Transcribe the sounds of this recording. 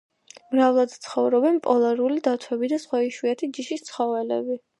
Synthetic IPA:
mɾavlˠad̪t̪sʰχɔvɾɔbɛnpʼɔlˠaɾulid̪at̪ʰwɛbid̪asχwaiʃwiat̪ʰid͡ʒiʃist̪sʰχɔvɛlɛ̰bi

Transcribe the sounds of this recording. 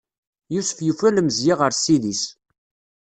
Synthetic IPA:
jusfjufælmzjiʁəɾsiðis

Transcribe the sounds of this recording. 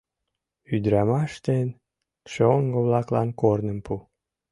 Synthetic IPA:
yd̪ɾɑmɑʃt̪en | ʃeoŋɡoβlɑklɑnkornəmpu

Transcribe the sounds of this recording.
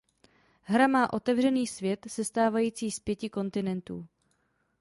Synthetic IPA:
ɦɾamaːʔo̞t̪ɛvr̝ɛniːsvjɛt̪sɛst̪aːvajiːt͡siːspjɛcɪko̞nt̪ɪnɛnt̪ṵː

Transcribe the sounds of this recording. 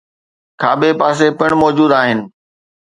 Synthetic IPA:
kʰaːɓepaːs̬epɐɽ̃mɔːd͡ʑuːd̪aːɦɪnɪ̆

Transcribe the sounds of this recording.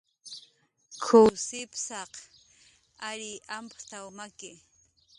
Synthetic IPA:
kʰʊwsɪpsɑq | aɾiʔampt̪awmakɪ

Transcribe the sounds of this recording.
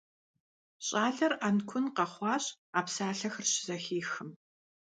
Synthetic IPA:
ɕʼaːɮɐrʔankʷʰʊnqɐχʷɑːɕʼ | aːpsaːɬɐxɨrɕɪzɐxiːxɨm

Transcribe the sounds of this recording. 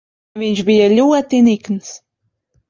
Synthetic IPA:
vint͡ʃbijælːuwæt̪ːinikns

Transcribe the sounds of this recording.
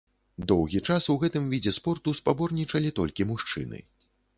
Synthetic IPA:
d̪ɔwɣʲit͡ʂasuɣɛt̪ɨmvʲid͡zʲɛspɔrt̪uspabɔrnʲit͡ʂɐlʲit̪ɔlʲkʲimuʂt͡ʂɨ̰nɨ̰

